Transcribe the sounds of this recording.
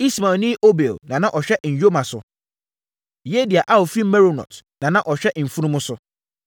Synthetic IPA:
i˦sma˨nĩ˦ʔo˦be˨lnã˨nã˦ʔɔ˨ɕᶣɛ˦ʔɲ̩˨jᶣo˦mã˨sʊ˨ | je˦di˨a˨ʔa˦ɔ˨fi˦m̩˦mɛ˦ɾo˨nɔ̰˨tnã˨nã˦ʔɔ˨ɕᶣɛ˦m̩˨fũ˦nũ˦mʊ̃˦sʊ˦

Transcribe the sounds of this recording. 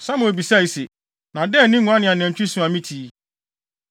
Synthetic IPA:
sa˦mʊ̃˨bi˨sa˦˨i˨se˨ | nã˨dɛ˦˨nɪ̃˦ŋũ˨˦ã˦nɪ̃˨a˨ñ˨ɛ̃˨ɲ˨t͡ɕᶣi˦sũ˨ã˨mĩ˦tʰi˨˦

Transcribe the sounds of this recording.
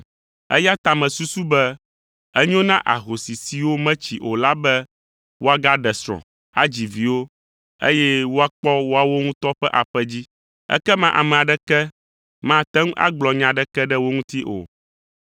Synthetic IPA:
ɛ̰˦ja˦t̪a˨mɛ̃˨su˦su˦bɛ˦ | ɛ˦ɲõ˦nã˦ʔa̰˨ɦo˨si˨si˨wo˦mɛ̃˦t͡ɕi˨ʔo˨la˦bɛ˦ | wo˦a˦ɡa˦ɖɛ˨sɾ̃ɔ̰̃˨ | a˦d͡ʑi˨vi˨wo˦ | ḛ˦jɛ˦wo˦a˦k͡pɔ˦wo˦a˦˨wo˦ŋũ˦t̪ɔ˦ɸɛ˦ʔa˨ɸɛ˦d͡ʑi˦ | ɛ̰˦kɛ˦mã˦ʔa̰˨mɛ̃˨a˨ɖɛ˦kɛ˦ | mã˦˨t̪ɛ˦ŋũ˦ʔa̰˦ɡ͡blɔ˨ɲã˨ɖɛ˦kɛ˦ɖɛ˦wo˦ŋũ˦t̪i˦ʔo̰˨

